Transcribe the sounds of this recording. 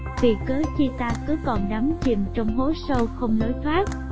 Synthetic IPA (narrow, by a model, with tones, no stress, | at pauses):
vi˨˩kɨː˨˦t͡ɕi˧t̪aː˧kɨ˨˦kɔ˨˩nɗa˨˦mt͡ɕi˨˩mt͡ɕɔ˧wŋ͡mɦo˨˦sə˧wxə˧wŋ͡mno˨˦jt̪ʰwaː˦˥k̚